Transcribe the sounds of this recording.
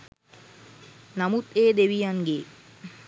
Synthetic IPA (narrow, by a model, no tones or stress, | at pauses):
namut̪eːd̪eʋijaŋɡeː